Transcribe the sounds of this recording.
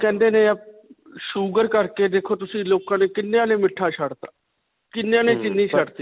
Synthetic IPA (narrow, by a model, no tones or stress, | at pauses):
kɛ̃ːnd̪eːneːəp̚ | ʃuːɡəɾkəɾkeːd̪eːkʰoːt̪ʊsĩːloːkãːneːkɪnːjãːneːmɪʈʰːaːʃʰəɽt̪aː | kɪnːjãːnẽːt͡ʃɪnːiːʃəɽt̪iː